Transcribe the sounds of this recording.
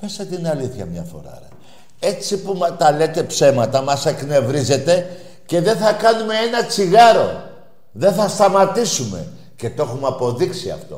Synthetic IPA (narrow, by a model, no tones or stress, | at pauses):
pe̞sɐt̪inɐliθçɐ̰mɲɐfo̞̰ɾɐ̰ɾɐ̰ | e̞t͡sipumɐt̪ɐle̞t̪e̞pse̞mɐt̪ɐmɐsekne̞vɾize̞t̪e̞ | ce̞ðe̞θɐkɐnume̞enɐt͡siɣɐɾo̞̰ | ðe̞θɐst̪ɐmɐt̪isume̞̰ | ce̞t̪o̞xumɐpo̞ðiksiɐ̰ft̪o̞̰